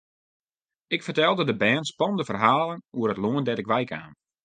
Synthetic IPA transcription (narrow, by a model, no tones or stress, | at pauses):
ɪkfərtɛlˠdədəbɛːnspɔnəndəfərɦaːlənuərətloəndɛtɪkʋɛjka̰ːn